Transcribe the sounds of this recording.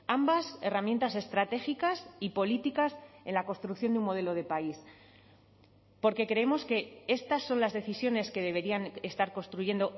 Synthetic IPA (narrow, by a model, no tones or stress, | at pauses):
ambase̞ramje̞nt̪ase̞st̪ɾat̪e̞xikasipo̞lit̪ikase̞nlakonst̪ɾukθjo̞nd̪eumo̞ð̞e̞lo̞ð̞e̞pais | po̞ɾke̞kɾe̞emo̞ske̞e̞st̪asːo̞nlazðe̞θisjo̞ne̞ske̞ð̞e̞β̞e̞ɾiane̞st̪aɾko̞nst̪ɾuʝe̞nd̪o̞